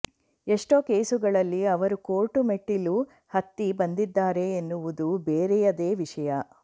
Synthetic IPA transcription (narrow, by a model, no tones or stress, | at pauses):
e̞ʂʈo̞ːke̞ːsuɡɐɭɐlːiɐʋɐɾukoːʈumeʈːilu | hɐt̪ːibɐnd̪id̪ːaːɾe̞ːnːuʋud̪ubeːɾɛjɐd̪e̞ːʋiʂɐjɐ